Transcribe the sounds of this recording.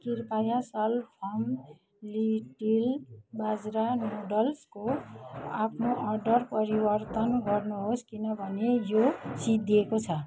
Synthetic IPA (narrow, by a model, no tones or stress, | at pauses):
kirpajasʌlpʰʌm | liʈilbad͡zɾamoɖʌlsko | apʰnoʔʌrɖʌrpʌɾibʌrt̪ʌnɡʌrnuɦoskinʌbʱʌnejosid̪ʱekot͡sʰʌ